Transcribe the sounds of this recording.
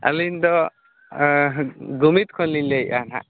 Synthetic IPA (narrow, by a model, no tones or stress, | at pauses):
a̰lind̪ɔ | ɡumit̪kʰɔnlinleja̰na̰